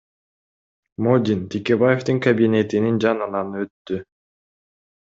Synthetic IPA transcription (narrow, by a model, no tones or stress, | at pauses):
mod̪ʲint̪ʲʰekʲe̞baje̞ft̪ɯŋkɐbʲinʲe̞t̪inind͡ʒɑnɯnɑnɯø̞t̪ːy